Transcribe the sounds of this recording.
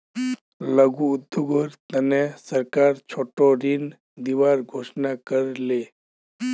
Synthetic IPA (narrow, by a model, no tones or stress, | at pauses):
ləɡud̪ːuɡoɾt̪ɐnẽsəɾkaːɾt͡ʃʰoːʈoɾin | d̪iːʋaːɾɡʱoːʃnakəɾleː